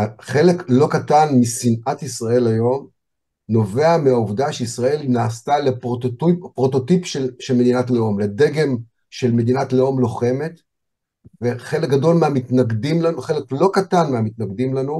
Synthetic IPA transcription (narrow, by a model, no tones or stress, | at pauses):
haχe̞leklo̞katanmisinʔat̪isʁae̞lajo̞m | no̞ve̞ameauvdaʃeisʁae̞linaːst̪alepʁottpʁo̞t̪o̞t̪ipʃelʃelme̞d̪inatleo̞mlede̞ɡe̞m | ʃe̞lme̞d̪inatleo̞mlo̞χe̞me̞t̪ | ve̞χe̞lek̚ɡado̞lmeamitnaɡdimlanuχe̞leklo̞katanmeamitnaɡd̪imlanu